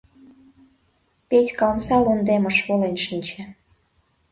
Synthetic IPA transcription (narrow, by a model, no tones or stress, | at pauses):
petʲkɑlmsɑlund̪emɤ̆ʃβolenʃinʲt͡ɕĕ